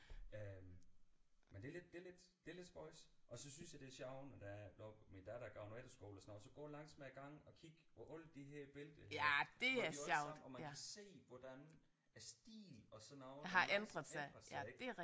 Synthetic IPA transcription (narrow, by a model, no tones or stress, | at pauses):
øm | mend̥eled̥̚d̥e̝ɐle̝d̥d̥e̝le̝d̥sb̥ɒɪsʔɒ̽sɒ̽synsjɑd̥e̝æɐɕɑ̈ʊnɒd̥ædɔbmind̥æɾ̥æɡ̥ɑ̈ʊned̥ɐsɡ̥o̝ːlɒsnɑ̰sɒ̽ɡ̥ɔ̰ːlɑ̈ŋ̰smeɡ̥ɑ̈ŋ̰ɒ̽kʰiɡ̥ɒʔɔl̰d̥d̥iɦeɐ̰b̥e̝ləd̥əæd̥e̝æɐɕjɑʊ̰d̥ɒmækæse̝̰ːʋɒd̥æn | æɐsd̥ḭːlɒ̽sɔnɑʊɦɑ̈ʔend̥ʁɐðˠsɑɪɐsæ̥d̥e̝æɐ